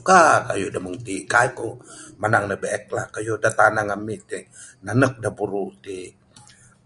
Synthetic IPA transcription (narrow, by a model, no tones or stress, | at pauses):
kakajodaməŋt̪ikajkomanaŋnəbeɛk̚lakajodat̪anaŋamit̪i | nanək̚dapuɾut̪i